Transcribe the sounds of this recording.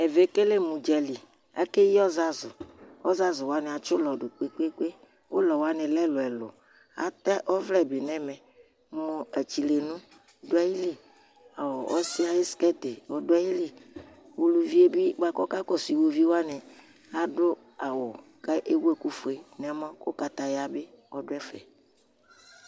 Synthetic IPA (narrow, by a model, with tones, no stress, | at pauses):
e˨ve˨˦ke˦le˦mũ˨d͡ʒɛ˨li˨ | a̰˦ke˦ji˦ɔ˦za˦zʊ˨ɔ˦za˦zʊ˨wa˦nɪ̃˨a˨t͡ʃʊ˦lɔ˨ɖʊ˨k͡pe˦k͡pe˦k͡pe˦ | wo˦lɔ˨wa˦nɪ̃˨lɛ˦lʊ˨ɛ˨lʊ̰˨ | a̰˨t̪a˦ʔɔ˦vlɛ˦˨be˨nɛ̃˦mɛ̃˨˦ | mo˨ɛ˨t͡ʃi˨le˨nũ˦˨˦ | dʊ˦a˦ji˦li˦ | a˨wɔ˨ʔɔ˦sɪ˦a˨jɪ˦skɛ˦t̪e˨wɔ˨dʊ˦a˦ji˦li˨ | wo˨lu˨vi˦e˦bi˦ɡ͡ba˦kɔ˦ka˦kɔ˦si˨wo˦vi˦wo˦a˦nɪ̃˨ | a˨dʊ˦ | a˨wɔ˨ | ka˦ʔe˦wu˦e˦ku˦fʊ˨e˨n˨a˦mã˦kʊ˦ka˦t̪a˨jɪ˦a˦bɪ˦ | wɔ˦dʊ˦ɛ˦fɛ̰˨